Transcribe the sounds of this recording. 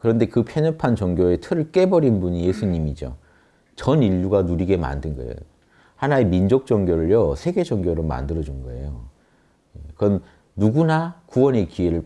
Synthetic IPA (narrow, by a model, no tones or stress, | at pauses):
kɯɾʌnde̞kɯpʰjʌɲʌpʰant͡ɕʌŋɡjoe̞tʰɯɾɯɭk͈e̞bʌɾinbuɲije̞sʰuɲimid͡ʑo̰ | t͡ɕʌniʎːuɡanuɾiɡe̞ma̰ndɯnɡʌḛjo̰ | hanaemind͡ʑok̚t͡ɕ͈ʌŋɡjoɾɯɭjʌsʰeɡe̞d͡ʑʌŋɡjoɾoma̰ndɯɾʌd͡ʑunɡʌe̞̰jo | ekɯʌn | nuɡunakuwʌne̞kie̞ɾɯɭ